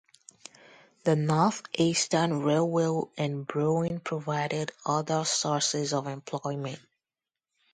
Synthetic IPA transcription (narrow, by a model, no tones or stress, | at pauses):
ðənɔɹθʔistə˞nɹelˠwelˠɨ̃nbɹoɪ̃npʰɹ̥əvaɪɾɪɾʌðə˞sɔɹsɪzʌvɛ̃mpʰl̥ɔɪmɨ̃nt̚